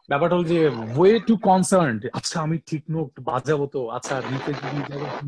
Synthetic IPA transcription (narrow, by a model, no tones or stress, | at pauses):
bɛpaʈɦold͡ʑeweʈukɔnsɐɾɳɖatːɕʰaamiʈʰiknok̚ʈba̰d͡ʑabot̪oa̰tːʰanit̪ed͡ʑid̪id͡ʑabo